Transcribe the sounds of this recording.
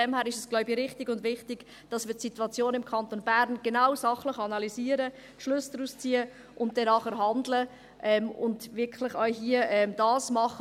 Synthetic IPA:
ɛmhæːɾɪʃɛsɡ̥lɔʊbiɾɪχtɪɡʊndvɪχtɪɡ̥ | d̥ɑsmɪːtsituɑt͡sjoːnɪmkʰɑntonbæɾnɡ̥enaʊwsɑχləχɑnɑliziːəɾə | ʃlʏsd̥ɾuːst͡siːə | ʔʊnt̚d̥ɛnɑːχəɾɦɑndlə | ʔɛmʊndvɪkʰlɪχaɦiəɛmdɑːsmɑχə

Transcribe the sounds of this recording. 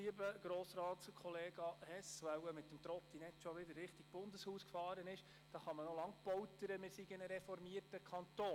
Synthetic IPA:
iəbəɡ̥ɾoːsɾɑːtskʰɔleːɡ̥ɑhɛsʋawəmɪtːəmt̪ɾɔpt̪inɛt̪ʃɔʋɪdəɾːɪχtiɡ̥b̥ʊnd̪əshuːskfɑːɾənɪʃ | d̥ɑːχɑmənɔlɑŋpɔwtəɾəmɪɾsiɡənəɾɛfɔɾmiərtəkʰχɑnt̪oː

